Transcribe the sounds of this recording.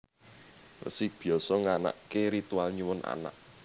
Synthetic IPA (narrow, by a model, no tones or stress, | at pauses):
wə̰sib̥i̤ɔsɔŋana̰ʔkeɾit̪ualɲuwʊna̰na̰ʔ